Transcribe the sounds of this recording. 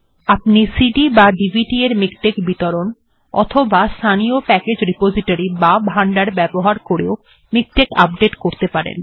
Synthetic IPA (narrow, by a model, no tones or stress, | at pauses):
apnisiɖibaɖibʱiʈieɾmikʈekbit̪oɾon | ɔ̰t̪ʰobast̪ʰaniopɛked͡ʑɾipod͡ʑiʈaɾibabʱaɳɖaɾbɛboɦaɾkoɾeo | mik̚ʈeka̰p̚ɖeʈkoɾt̪epaɾḛn